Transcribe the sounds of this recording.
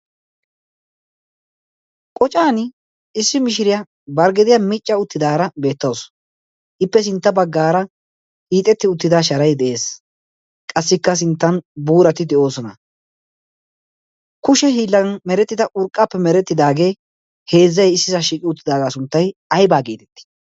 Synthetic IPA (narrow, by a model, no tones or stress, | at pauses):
kʼɔt͡ʃʼaːnɪ | ɪsːɪmɪʃɪɾɪja | bɐɾɡɛd̪ɪjɐmɪt͡ʃʼːɐʊt̪ːɪd̪aːɾɐbe̞ːt̪ːɐws | ʔɪpːɛs̬ɪnt̪ːɐbɐɡːaːɾɐ | kiːt̪ʼɛt̪ːɪʊt̪ːɪd̪aʃ̬ɐɾɐjd̪ɛʔe̞ːs | kʼɐsːɪkːɐs̬ɪnt̪ːɐnbuːɾɐt̪ɪd̪ɛo̞ːsɔnɐ̰ | kʊʃɛhiːlːɐnmɛɾɛt̪ːɪd̪ɐʔʊɾkʼːapːɛmɛɾɛt̪ːɪd̪aːɡe̞ː | he̞ːzːɐjɪsːɪzɐʃiːkʼɪʊt̪ːɪd̪aːɡaːsʊnt̪ːɐjɐjbaːɡiːt̪ɛ̥t̪ːɪ̥